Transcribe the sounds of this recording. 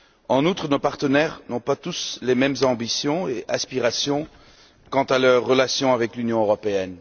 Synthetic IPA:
ɑ̃nut̪χənopaʁt̪ənɛʁnɔ̃pat̪uslemɛmzɑ̃bisjɔ̃eʔaspiʁasjɔ̃ | kɑ̃t̪alœʁːəlasjɔ̃avɛklynjɔ̃øʁɔpeɛn

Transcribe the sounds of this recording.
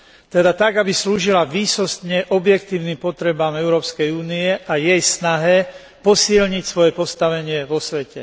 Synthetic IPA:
t̪ɛd̪at̪aɡabisluːʒilaʋiːsɔst̪ɲɛʔɔbjɛkt̪iːʊnimpɔt̪ɾɛbaːmɛʊɾɔːpskɛjuːniɛʔajɛjsnaɦɛ | pɔsilɲicsʋɔjɛpɔst̪aʋɛɲɪɛʋɔsʋɛcɛ̰

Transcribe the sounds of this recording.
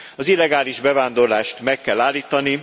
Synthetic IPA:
ɒzilːɛɡaːliʒbɛvaːnd̪o̞rlaːʃt̪mɛkːɛlːaːlːiːt̪ɒni

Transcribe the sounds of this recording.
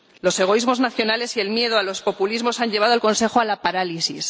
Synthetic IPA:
lo̞se̞ɣ̞o̞izmo̞znaθjo̞nale̞sie̞lmje̞ðoalo̞spo̞pulizmo̞saɲʎe̞β̞aðoalko̞nse̞xoalapaɾalisis

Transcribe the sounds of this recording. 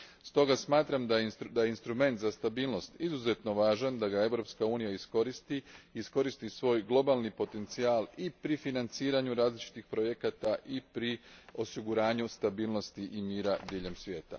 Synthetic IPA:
st̪o̞ɡasmaːt̪ɾamd̪ajd̪ajeinst̪ɾume̞nt̪zast̪abiːlˠno̞st̪izuze̞t̪no̞ʋaːʒand̪aɡae̞ʋɾo̞pskauːnijaisko̞ɾist̪iiːsko̞ɾist̪isʋo̞ːjɡlˠo̞balˠnipo̞t̪e̞nt̪siaːlˠipɾifinant̪siːɾaɲuɾaːzlit͡ʃi̥t̪ixpɾo̞je̞kat̪aʔipɾio̞siɡuɾaːɲust̪abiːlno̞st̪iʔimiːɾad̪iːʎe̞msʋʲje̞ːt̪a̰

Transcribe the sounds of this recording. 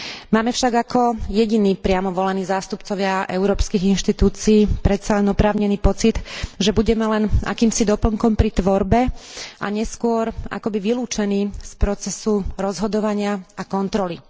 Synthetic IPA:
maːmɛfʃaɡakɔjɛɟiniːpɾɪamɔʋɔlɛniːzaːst̪upt͡sɔʋɪaʔɛʊɾɔːpskiɣinʃt̪it̪uːt͡siːpɾɛt̪salɛnɔpɾaːʊɲɛniːpɔt͡sit̪ʒɛbuɟɛmɛlɛna̰kiːmsid̪ɔpl̩ŋkɔmpɾit̪ʋɔɾbɛʔa̰ɲɛskʊɔɾa̰kɔbiʋiluːt͡ʃɛniːspɾɔt͡sɛsuɾɔzɦɔd̪ɔʋaɲɪaakɔnt̪ɾɔli

